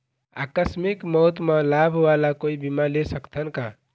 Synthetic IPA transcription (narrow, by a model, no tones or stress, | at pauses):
a̰kəsmikməɦt̪məlabʱʋalakoibimalesəkt̪ʰənka